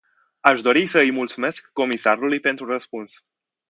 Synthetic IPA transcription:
aʃd̪o̞ɾisəɨjmult̪sume̞skːo̞misaɾulujpent̪ɾurəspuns

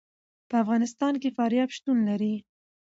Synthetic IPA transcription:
pəafɣɑnɪst̪ɑnkefɑɾjɑbʃt̪unlaɾi

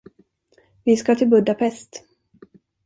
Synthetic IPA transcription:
vɪskat̪ʰɪlbɵd̪apʰɛst̪

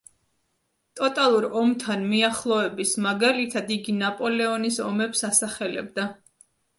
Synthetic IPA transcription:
t̪ʼɔt̪ʼalˠuɾɔmt̪ʰanmiaχlˠɔɛbismaɡalit̪ʰad̪iɡinapʼɔlɛɔnisɔ̰mɛpsasaχɛlɛ̰b̚d̪a

